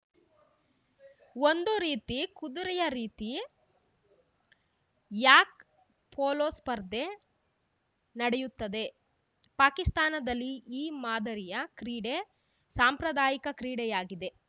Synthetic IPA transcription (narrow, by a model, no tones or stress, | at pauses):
o̞nd̪uɾiːt̪ikud̪uɾɛjɐɾiːt̪i | jaːk̚ | pʰoːloːspɐɾd̪ʱe̞ | nɐɽejut̪ːɐd̪e̞ | paːkist̪aːnɐd̪ɐlːiiːmaːd̪ɐɾijɐkɾiːɽe | saːmpɾɐd̪aːjikɐkɾiːɽɛjaːɡid̪e̞